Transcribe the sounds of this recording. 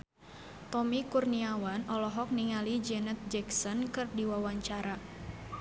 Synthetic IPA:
t̪ɔmikurniawanɔlɔɦɔk̚niŋalid͡ʒɛnɛt̪̚d͡ʒɛksɔnkɨrdiwawaɲt͡ʃaɾa

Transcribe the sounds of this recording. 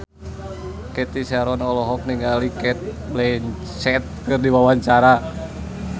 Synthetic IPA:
kɛt̪isɛɾɔnɔlɔɦɔk̚niŋɡalikɛt̪̚ | blɛn | t͡ʃɛt̪̚kɨrdiwawaɲt͡ʃaɾa

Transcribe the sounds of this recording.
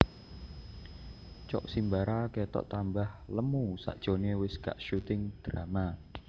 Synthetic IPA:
t͡ʃɔ̰ʔsimbaɾaket̪ɔ̰ʔt̪ambahləmusa̰ʔd̥ʒ̥onewɪsɡ̥a̰ʔʃut̪ɪŋd̪̥ɾama

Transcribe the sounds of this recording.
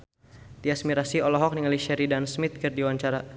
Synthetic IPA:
t̪iasmiɾasiɔlɔɦɔk̚niŋaliʃɛɾidansmit̪̚kɨrdiwaɲt͡ʃaɾa

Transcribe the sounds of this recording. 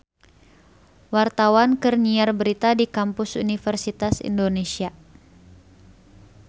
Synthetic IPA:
wart̪awankərniarbəɾit̪adikampʊsṵnifɛrsit̪asḭndonesia

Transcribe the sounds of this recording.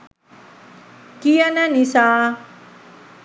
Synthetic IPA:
kijananisa

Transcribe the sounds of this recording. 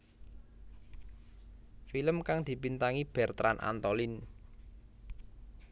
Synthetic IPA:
filəmkaŋd̪̥i̤pint̪aŋib̥ɛ̤rt̪ɾanʔa̰nt̪ɔlin

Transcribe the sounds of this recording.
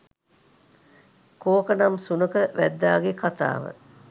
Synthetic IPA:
koːkənamsunəkəʋæd̪ːaːɡekat̪a̰ːʋə̰

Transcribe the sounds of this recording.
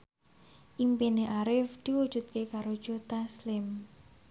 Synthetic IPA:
ʔimpineʔaɾɪfd̪̥iwu̥ʒ̥ṳt̪̚kekaɾod̥ʒ̥ot̪aslɪm

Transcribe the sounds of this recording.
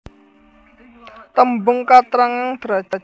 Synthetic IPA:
t̪əmbʊŋkat̪ɾaŋaŋd̪̥ɾad̥d͡ʒ̥a̤

